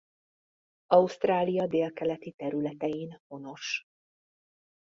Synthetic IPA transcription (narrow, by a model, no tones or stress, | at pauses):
ɒust̪raːlijɒd̪eːlkɛlɛt̪it̪ɛɾylɛt̪ɛjinho̞no̞ʃ